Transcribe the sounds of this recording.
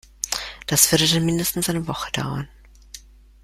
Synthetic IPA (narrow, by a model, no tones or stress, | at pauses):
d̥asv̥ʏɐdədanmɪndəstn̩sʔaɪnəvɔχəd̥a̰ʊɐn